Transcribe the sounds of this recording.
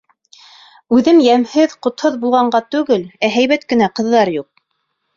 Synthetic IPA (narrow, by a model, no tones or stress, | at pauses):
ʉðɘmjæmhɘðqŏt̪hoðbulˠʁɑɴɢɑt̪ʉɡɘlæɦæjβæt̪kɘ̆næqɤ̆ðːɑɾjuq̚